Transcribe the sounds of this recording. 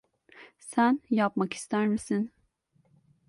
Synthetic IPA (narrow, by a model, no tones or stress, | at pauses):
sænjapmaki̥st̪ʰæɾmisin